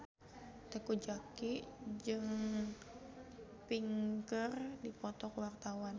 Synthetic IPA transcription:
t̪əkud͡ʒakiʔd͡ʒɨŋ | piŋkərdipɔt̪ɔkəwart̪awan

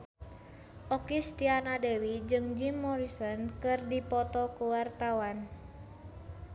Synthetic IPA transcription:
ʔɔkist̪ianadewid͡ʒɨŋd͡ʒimːɔɾisɔnkɨrdipɔt̪ɔkuwart̪awan

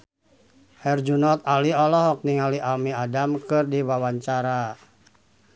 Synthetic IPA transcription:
hɛrd͡ʒunɔt̪̚aliɔlɔɦɔk̚niŋaliʔamiadamkɨrdiwawaɲt͡ʃaɾa

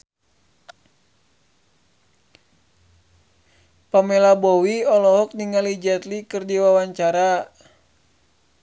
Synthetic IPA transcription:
pamɛlabɔwiɔlɔɦɔk̚niŋalid͡ʒɛt̪likɨrdiwawaɲt͡ʃaɾa

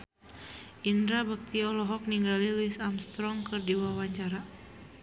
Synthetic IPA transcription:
ʔindɾabak̚t̪iɔlɔɦɔk̚niŋɡaliluisamst̪ɾɔŋkɨrdiwawaɲt͡ʃaɾa

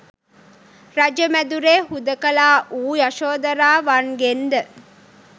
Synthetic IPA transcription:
ɾɐd͡ʒəmæd̪uɾeːhud̪əkəlaːʔuːjɐʃoːd̪ɐɾaːʋanɡend̪ə

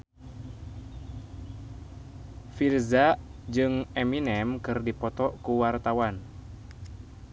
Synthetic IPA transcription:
filzaʔd͡ʒɨŋɛminɛmkɨrdipɔt̪ɔkuwart̪awan

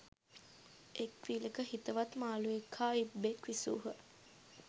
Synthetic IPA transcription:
ekʋiləkəɦit̪əʋat̪maːluekʰːaːibekʋisṵːɦə

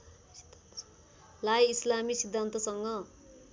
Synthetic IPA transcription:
lajislamisid̪ʱːant̪ʌsʌŋɡʌ

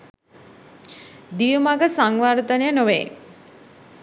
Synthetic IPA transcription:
d̪ijumaɡəsaŋʋaɾt̪ənəjənoʋḛ

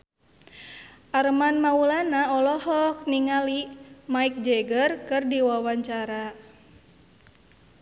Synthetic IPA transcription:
ʔaɾəmanmaulanaɔlɔhɔk̚niŋalimaik̚d͡ʒɛɡərkɨrdiwawaɲt͡ʃaɾa

